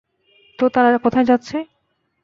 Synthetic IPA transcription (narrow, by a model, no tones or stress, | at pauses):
t̪ot̪aɾakɔt̪ʰaed͡ʑatːɕʰe